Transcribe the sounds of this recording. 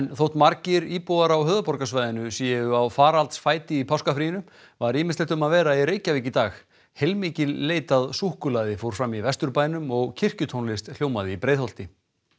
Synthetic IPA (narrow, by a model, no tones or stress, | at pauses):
ɛnθowht̪maɾcɪɾiːpowaɾawɦœːðapɔɾkasvajðɪnʏsjɛɣʏawfaːɾalt̪sfaːjt̪ɪipʰawskafɾijɪnʏ | vaɾiːmɪst̪eht̪ʏmaðvɛːɾaiɾeːjcaviːcɪt̪aːx | hejlmiːcɪlːeːjt̪aðsuhkʏlaːðɪfoːwɾ̥fɾamːivɛst̪ʏɾpaːjnʏmɔɣcʰɪr̥cʏt̪ʰownlɪst̪l̥joːwmaðɪipɾeːjðhol̥t̪ɪ